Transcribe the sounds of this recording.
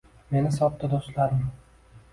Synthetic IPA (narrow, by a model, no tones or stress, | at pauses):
me̞nɪsɒp̚t̪ɪd̪ost̪laɾɪm